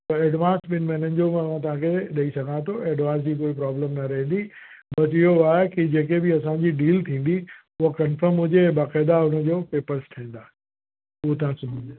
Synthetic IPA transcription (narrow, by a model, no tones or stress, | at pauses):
t̪ɐeːɖʋãːnsɓɪnɪmeːnənɪ̆d͡ʑomãʋ̤ãt̪ɐʋ̤ãkʰeɗɐisɐɡʱãt̪ʰoeːɖʋãːns̬d͡ʑiːkoːipɾaːblə̃mnɐɾɐɦə̃nd̪i | bɐsɪɦoaːɦekid͡ʑeːkebɪɐsãɲd͡ʑiɖiːlt̪ʰĩːn̆d̪i | ʊɦakɐnfəɾmɦʊd͡ʑẽbaːqɛːd̪aʊnəd͡ʑoːpeːpəɾsʈʰĩːnd̪aː | ʊɦot̪ɐʋ̤ãsʊmʱɪ̃n